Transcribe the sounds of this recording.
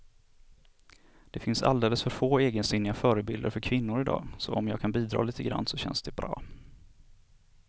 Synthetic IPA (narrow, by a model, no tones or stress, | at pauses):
d̪̥ɛfɪnsa̰ld̪eːləsfœɾfoːeːɡənsɪnːɪafœːɾəbɪld̪əɾfœɾkʰvɪnːʊɾɪd̪ɑ̰ːsɔʔɔmjɑːɡkʰanbiːd̪ɾɑ̰ːliːt̪əɡɾa̰nːsɔɕɛnsd̪ɛbɾɑ̰ː